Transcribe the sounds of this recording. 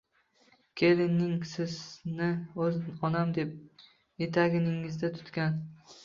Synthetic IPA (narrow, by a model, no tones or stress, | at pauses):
kʲʰe̞lɪnːɪŋsɪznɪɵzɒnamd̪e̞p̚ | je̞t̪ʰaɡʲɪnɪŋɪzd̪at̪ʰʊ̥t̪kʲan